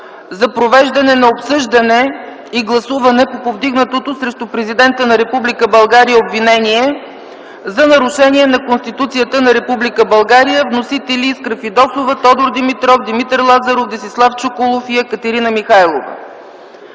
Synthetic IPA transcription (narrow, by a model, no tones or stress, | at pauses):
zɐpɾovɛʒd̪ɐnɛnɐopsɤʒd̪ɐnɛ | iɡlˠɐsuvɐnɛpopovd̪iɡnət̪ot̪osɾɛʃt̪ʊpɾɛzid̪ɛnt̪ənɐɾɛpublikəbɐlˠɡaɾijəobvinɛniɛ | zɐnɐɾʊʃɛniɛnɐkonst̪it̪ut̪sijət̪ənɐɾɛpublikəbɐlˠɡaɾijəvnosit̪ɛlʲiːskɾəfid̪ɔsovət̪ɔd̪oɾd̪imit̪ɾɔfd̪imit̪ɛɾlˠazɐɾofd̪isislˠaft͡ʃokʊlˠofiɛkət̪ɛɾinəmixajlˠo̰və̰